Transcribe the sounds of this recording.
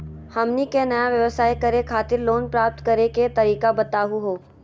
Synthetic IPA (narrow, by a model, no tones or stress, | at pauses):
hɐmnikenɐjaʋjɐʋəsaːikɐɾekʰaːt̪ɪɾloːnpɾaːp̚t̪kɐɾeket̪ɐɾiːkabɐt̪aːɦuɦoː